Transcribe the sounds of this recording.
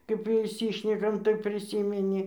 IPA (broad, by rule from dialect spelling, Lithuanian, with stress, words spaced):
kɐɪp ɪʃʲˈsʲiːʃʲnʲɛkɐm tɐɪ pʲrʲɪˈsʲiːmʲɛnʲɪ